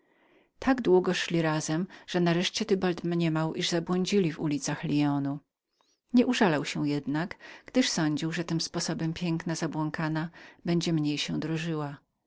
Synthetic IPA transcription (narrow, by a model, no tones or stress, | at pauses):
t̪ʰaɡd̪wuɡɔʂlʲiɾazɛmʐ̥ɛnaɾɛʂt͡ɕɛt̪ɘbalt̪mɲɛmawʔiʐzabwɔɲd͡ʑilʲivṵlʲit̪saxlʲiɔnu | ɲɛʔuʐalawɕɛjɛd̪naɡɡd̪ɘʂsɔɲd͡ʑiwʐɛt̪ɘmspɔsɔbɛmpʲjɛŋknazabwɔŋkanabɛɲd͡ʑɛmɲejɕɛ̃d̪ɾɔʐɘwa